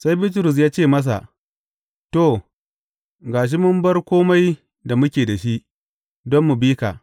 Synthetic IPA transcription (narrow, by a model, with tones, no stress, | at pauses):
sa˦jbi˦t̬ʊ˨ɾʊ˨s̬jaː˦t͡ʃeː˦˨mɐ˦s̬a̰˨ʔ | to˦˨ | ɡaː˨ʃ̬i˦mʊ˦mbɐ˦rkʷoː˦ma˦j | da˨mʊ˦kʲeː˨da˨ʃi˦ʔ | dɔ˦mːu˨biː˦ka˨ʔ